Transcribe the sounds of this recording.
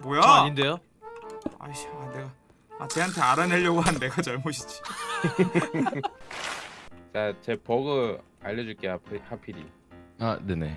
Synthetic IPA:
bojaɲindejo | a̰aneɡa | at͡ɕe̞ɦantʰe̞aɾane̞ʎːʌɡoɦanːe̞ɡat͡ɕʌɭmoɕʰi̥d͡ʑi̥ | t͡ɕat͡ɕe̞pʌɡɯ | aʎːʌd͡ʑuɭk͈eapʰihapʰiɾḭ | anene

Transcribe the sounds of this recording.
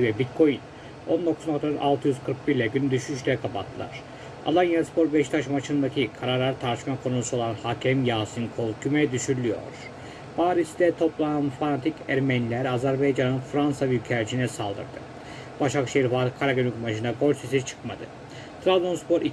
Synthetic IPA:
vɛbit̪̚kʰo̞jin | o̞nd̪o̞kʰu̥znakt̪aɾʔa̰lˠt̪ʰɯjyzkʰɯɾkbiɾlʲɛɟynyd̪yʃyʃlʲɛkʰapʰat̪ʰːɯlˠa̰ɾ̥ | a̰lˠanjanspʰo̞ɾbɛʃt̪ʰaʃmat͡ʃʰɯnd̪acʰikʰaɾaɾlˠaɾt̪ʰaɾt͡ʃmakʰo̞nuusuo̞lˠanhacʰɛmjaːsɯnkʰolˠkʰymɛd̪yʃyɾlʲyjo̞̰ɾ̥ | b̥aːɾisd̪ɛt̪ʰo̞plˠaanfanat̪ʰicʰæɾmɛnilʲæɾazæɾbajd͡ʒanɯnfɾansabiycʰɛɾt͡ʃʰinɛsalˠd̪ɯ̰ɾd̪ɯ̰ | baʃakʃejiɾfalˠɯkʰaɾaɡonykmaʃʰɯnd̪aɡo̞lʲsesit͡ʃʰɯ̥kmad̪ɯ̰ | t̪ʰɾablˠonspo̞ɾi

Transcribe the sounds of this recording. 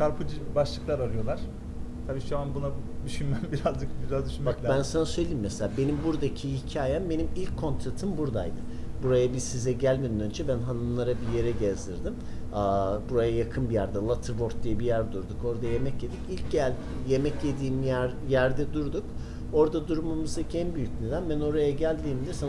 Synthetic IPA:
ʃʰaɾpʰɯd͡ʒɯbaʃlˠɯklˠaɾaɾɯjo̞lˠaɾ̥ | t̪ʰabiːʃuanbunad̪yʃynmæmbiɾazd͡ʒɯk̚biɾazd̪yʃynmakʲbænsanasøjlʲejimːɛselʲaːbe̞nimbuɾd̪acʰihicʰaːjɛmbe̞nimilʲckʰːo̞nt̪ʰɾat̪ʰɯmbuɾd̪a̰jd̪ɯ | buɾajabisizɛɟælʲmenynønd͡ʒɛbænɦanɯnlˠaɾabije̞ɾɛɟɛzd̪iɾd̪im | abuɾajajakʰɯnbijæɾd̪ɛlˠat̪ʰɯɾvo̞ɾt̪̚d̪ijɛbijæɾd̪uɾd̪uko̞ɾd̪aje̞mɛcje̞d̪icilʲcælʲ | je̞mɛcje̞d̪iːmjæɾ | jæɾd̪ɛd̪uɾd̪uk | o̞ɾd̪ad̪uɾmamɯzacʰɛnbyjycned̪ænbæno̞ɾajaɟælʲd̪iːmd̪isan

